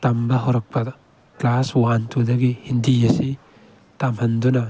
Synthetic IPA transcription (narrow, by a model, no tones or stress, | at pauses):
tambɐɦaowɾɐk̚pʰɐ | klaswantʰudɐɡihindijɐsi | tamhɐndunɐ